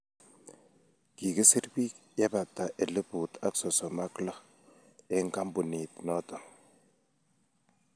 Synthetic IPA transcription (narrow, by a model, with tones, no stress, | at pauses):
ki˨ki˦si˦ɾbi˦k | ja˦ba˨ta˨ʔe˨lɪ˦bu˨ta˦ksɔ˨sɔ˨ma˦klɔ˦ | ɪ˦ŋka˦mbu˨ni˨tnɔ˦tɔ˨